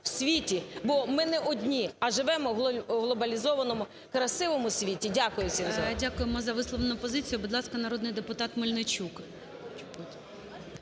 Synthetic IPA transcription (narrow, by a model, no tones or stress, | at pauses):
wsʲʋʲitʲibɔmɪnɛʔɔdʲnʲiɐʒɪʋɛmɔɦlˠɔbɐlʲizɔʋɐnɔmʊ | kɾɐsɪʋɔmʊsʲʋʲitʲidʲakʊjʊsʲidʲakʊjemɔzɐʋɪslˠɔʋenʊpɔzɪt͡sʲijʊbʊd̪lˠɑskɐnɐɾɔd̪nɪjd̪epʊt̪ɑt̪mɪlʲnɪt͡ʃʲuk̪